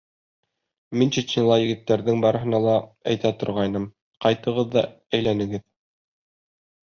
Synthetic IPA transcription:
mint͡ɕit̪nʲilˠɑjɘ̆ɡɘ̆t̪ːæɾðɘŋbɑɾɤ̆ɦɤ̆nɑlˠɑæjt̪æt̪ŏɾʁɑjnɤm | qɑjt̪ɤ̆ʁɤðːɑ | æjlænɘ̆ɡɘð

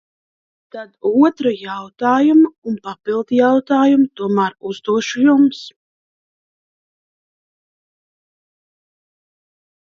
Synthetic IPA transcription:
t̪ad̪uɔt̪ɾujawt̪aːjumuunpapilˠd̪jawt̪aːjumut̪uɔmaːɾuzd̪uɔʃujums

